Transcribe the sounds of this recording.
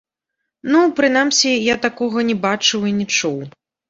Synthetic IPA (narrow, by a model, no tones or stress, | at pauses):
nupɾɨnamsʲijat̪akɔɣɐnʲɛbat͡ʂɨwinʲɛt͡ʂuw